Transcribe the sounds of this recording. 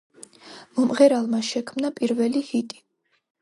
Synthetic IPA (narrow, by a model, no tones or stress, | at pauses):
mɔmʁɛɾalˠmaʃɛkʰmnapʼiɾvɛlihit̪ʼi̥